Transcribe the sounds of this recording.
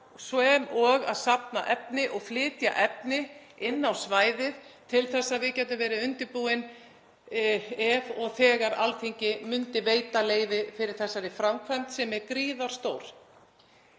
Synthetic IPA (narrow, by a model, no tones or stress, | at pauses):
sɔɛmɔɣa̰ðsap̚naʔɛp̚nɪʔɔɣflɪːt̪ja̰ʔɛpnɪ | ɪnːawsvaːjðɪð̥t̪ʰɪlθɛsːaðvɪðcɛːt̪ʏmvɛːɾɪʏnt̪ɪpuːɪn | ɛvɔɣθɛːɣaɾa̰lθʰiɲcɪmʏnt̪ɪveːjt̪aleːjvɪfɪɾɪɾ̥θɛsːaɾɪfɾamkʰvajmt̪sɛmɛɾkɾiːðaɾ̥st̪oːwɾ̥